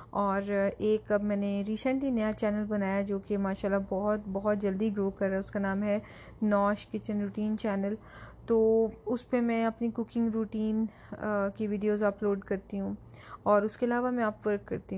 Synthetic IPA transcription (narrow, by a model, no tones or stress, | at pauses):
ɔːɾeːkɐbmɛːneɾiːsə̃ɳʈlinɐjat͡ʃɛːnəlbɐnaːjad͡ʒoːkemaːʃaːlːabɔɦʊt̪bɐɦʊt̪̚d͡ʒɐld̪iɡɾoːkɐɾːaɛʊskanaːmɦɛ | nɔːʃkɪt͡ʃə̃nɾuːʈiːnt͡ʃɛːnəl | t̪oːʊspemɛ̃ɐpnikʊkɪ̃ŋɡɾuːʈiːn | kiʋiːɖijoːzaːploːɖkɐɾt̪iɦũɔːɾʊskeɐlaːʋamɛ̃aːpʋəɾkːɐ̰ɾt̪iɦ